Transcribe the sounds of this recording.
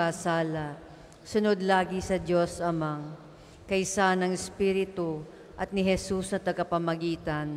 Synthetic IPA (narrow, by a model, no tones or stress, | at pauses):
asaːlɐ | sʊnod̪laːɡɪsɐdo̞sɐmaŋ | kɐjsanɐŋɪspiːɾɪt̪ʊ | ʔɐt̪̚nɪɦɛsusnɐt̪ɐɡɐpɐmɐɡiːt̪ɐn